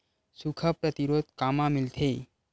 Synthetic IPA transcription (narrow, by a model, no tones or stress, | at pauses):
sukʰəpɾət̪iɾod̪kamãmɪlt̪ʰe